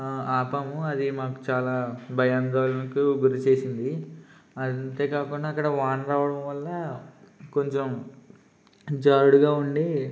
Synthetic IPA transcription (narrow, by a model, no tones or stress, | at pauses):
aːpɐmuɐd̪imaːku̥t͡ʃaːlaːbʱɐjaːnd̪oːlɐnɐkuɡuɾut͡ʃe̞ːsind̪iɐnt̪e̞ːkaːkuɳɖaːkːɐɽɐʋaːnɾaːʋɐɽɐmʋɐlːɐ | ko̞ɲt͡ʃem | d͡ʒaːɾuɽuɡaːuɳɖi